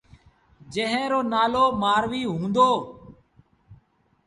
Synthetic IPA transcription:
d͡ʒẽːɦẽːɾoːnaːloːmaːɾʋiːɦũːnd̪oː

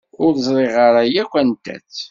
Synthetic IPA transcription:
ʊɾzˤɾˤeʁəɾæjækʷːænt̪æ̰t͡s

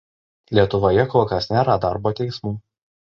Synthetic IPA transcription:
lʲiɛt̪ʊʋoːjɛkoːlˠkɐsnʲeːɾɐd̪ɑˑɾboːt̪ʲɛɪsmuː

